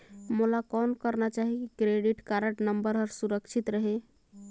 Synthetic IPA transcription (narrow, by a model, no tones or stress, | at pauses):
mulakɔnkəɾnat͡ʃaɦikɾeɖiʈkaɾəʈnəmbəɾɦəɾsuɾəkt͡ʃʰit̪ɾəɦe